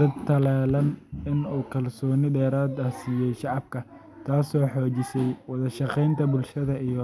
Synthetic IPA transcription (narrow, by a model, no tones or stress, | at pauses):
d̪̥ɐd̪̚t̪ʰːɐlaːlɐnɪnuːkʰɐlsɔːnɪɖɛːɾaːd̪ɐhsiːjɛjʃɑʕɑb̚kʰɐ | t̪ʰaːsɔːħɔːt͡ʃɪsɛjwɑðɐʃɑqɛjnt̪ʰɐbʊlʃɐðɐij